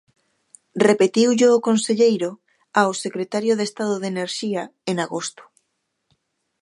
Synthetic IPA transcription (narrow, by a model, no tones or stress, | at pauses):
repet̪iwʎeːkonseʎejɾo | aosekɾet̪aɾjoðest̪aðʊðeneɾʃiaeŋaɣost̪ʊ̥